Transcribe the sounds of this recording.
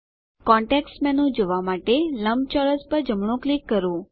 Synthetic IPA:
kɔ̃ɳʈeksmɛ̃nũd͡ʒoʋamaʈeləmb̚t͡ʃɔɭəspəɾd͡ʒəmɳ̃ũklikːəɾũ

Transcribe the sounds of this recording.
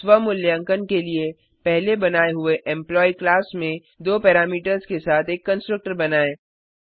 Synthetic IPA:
swəmʊljə̃ŋkənkelie | pɛɦlebɐnaːeɦʊeʔɛ̃mplɔːiklaːsmẽ | d̪oːpɛːɾaːmiːʈəɾzkesaːt̪ʰeːkːə̃nsʈɾək̚ʈəɾbɐnaːeː

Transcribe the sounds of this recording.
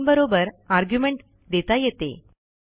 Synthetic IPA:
bəɾobəɾaɾɡjumeɳʈ | d̪et̪ajet̪ḛ

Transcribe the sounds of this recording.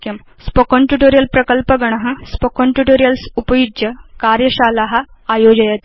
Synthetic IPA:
km | spokoɳʈuʈoɾijəlpɾɐkəlpəɡɐɽ̃ɐɦɐ̃spokoɳʈuʈoɾijəlsupəjud͡ʒjəkaɾjəɕalaɦaːjod͡ʑɐjat̪

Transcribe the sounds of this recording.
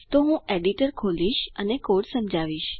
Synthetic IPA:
t̪oɦũeɖiʈəɾkʰoliʃənekoɽsəmd͡ʒʱaʋiʃ

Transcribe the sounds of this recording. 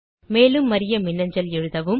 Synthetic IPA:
meːlɯmːɐɾɪjɐmɪnːɐɲd͡ʒɐlɛɻɯðɐʋɯm

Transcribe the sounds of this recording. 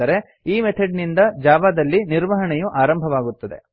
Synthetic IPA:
ɐɾe̞ | iːmet̪ʰɐɖnind̪ɐd͡ʒaːʋad̪ɐlːiniɾʋɐɦɐɳɛjuʔaːɾɐmbʱɐʋaːɡut̪ːɐd̪e̞̰

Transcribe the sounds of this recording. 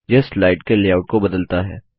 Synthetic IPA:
jɐslaːɪʈkeleːaːʊʈ̚kobɐd̪əlt̪aɦɛ̰ː

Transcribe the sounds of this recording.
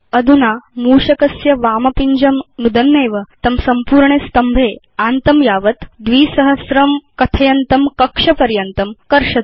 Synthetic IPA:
ɐd̪ʱunaːmuːʂɐkɐsjɐʋaːmɐpiɲd͡ʑɐmnud̪ɐnːeːʋɐt̪ɐmsɐmpuːɾɳest̪ɐmbʱeː | aːnt̪ɐmjaːʋɐt̪d̪ʋiːsɐɦɐsɾɐmkɐt̪ʰɐjɐnt̪ɐmkɐkʂɐpɐɾjɐnt̪ɐmkɐɾʂɐ

